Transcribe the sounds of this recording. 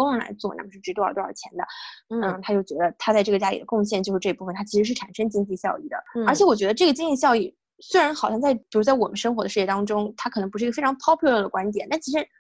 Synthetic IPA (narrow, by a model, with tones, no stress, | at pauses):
ʊ˥ŋlə˧˥la̰˧˥ɪt͡swɔ˥˧na̰˥˩mə˨˩ʂɻ̩˥˩ʈ͡ʂɻ̩˧˥t̪t̪wə̰˞˨˩t͡ɕʰjɛ˧˥nd̪ə˧n̩˥˩t̪ʰa˥t͡ɕjo˥˩ʊt͡ɕɥɛ˧˥d̪ə˧t̪ʰa˥t͡sa˥˧ʈ͡ʂɤ˥˩ɡə˩t͡ɕja˥lḭ˨˩d̪ə˦˥kʊ˥˧ŋɕ̬jɛ˥˩nt͡ɕo˥˧ʊʂɻ̩˧˥ɤ˥˧i˧˥pu˥˩ə˩nt̪ʰa˥t͡ɕʰi˧˥ʂɻ̩˧˥ʂɻ̩˥˩ʈ͡ʂʰa˨˩nʂɤ˥ŋt͡ɕi˥ŋt͡ɕi˥˧ɕjɑ˥˧ʊḭ˥˩d̪ə̰˩ə˞˧˥t͡ɕʰjɛ˧˥wɔ˨˩t͡ɕɥɛ˧˥d̪ə˧ʈ͡ʂɤ˥˩ɡə˩t͡ɕi˥ŋt͡ɕi˥˧ɕjɑ˥˧ʊi˥˩ | swe˥ɪɻa˧˥nxɑ˨˩ʊɕjɑ˥˧ŋt͡sa˥˩ɪpi˨˩u˧˥t͡sa˥˩wɔ˨˩mə˦nʂɤ˥ŋxwɔ˧˥d̪ə˧ʂ̩˥˩jt̪ɑ˥ŋʈ͡ʂʊ˥ŋt̪ʰa˥kʰɤ˨˩nɤ˧˥ŋpu˧˥ʂ̩ɻɡə˧fɪɑ˧˥ŋpʰɑ˥ʊpʰjɔ˥˧lə˥˩d̪ə˩kwa˥nt̪jɛ˨˩˦nt̪a˥˩nt͡ɕʰi˥ʂɻ̩˧˥